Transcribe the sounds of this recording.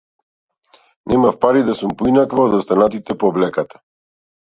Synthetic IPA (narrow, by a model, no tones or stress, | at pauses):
nɛmafpaɾid̪asumpɔinakvaɔd̪ɔst̪anat̪it̪ɛpɔːblɛkat̪ʰḁ